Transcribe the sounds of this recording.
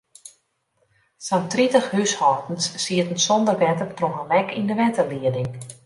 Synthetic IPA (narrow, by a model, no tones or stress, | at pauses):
sɔntritəxhyshɔtn̩sːiətn̩sɔndərʋɛtərtroɦənɛkindəʋɛtərliədɪŋ